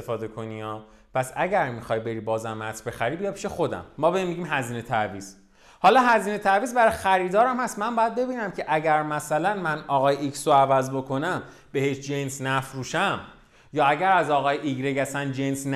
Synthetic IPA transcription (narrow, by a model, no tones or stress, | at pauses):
sefɒːd̪ekʰo̞niɒː | pʰæsæɟæɾmixɒjbe̞ɾiːbɒːzæmːæt̪ʰbe̞xæɾibijɒpʰi̥ʃexo̞d̪æ̰mːɒːbeimːiɟiːmɦæziːne̞t̪ʰæviːz̥ | hɒːlɒːɦæziːne̞t̪ʰæviːzbæɾɒjxæɾiːd̪ɒːɾæmhæst̪mæmbɒːjæd̪̚be̞biːnæmcʰe̞ʔæɟæɾmæsælænmænɒɣɒːjeʔicsoævæzbo̞kʰo̞næm | be̞heʃd͡ʒensnæfɾuːʃæm | jɒːæɟæɾæzɒːɣɒːjeʔiɡɾe̞ɡæsænd͡ʒensn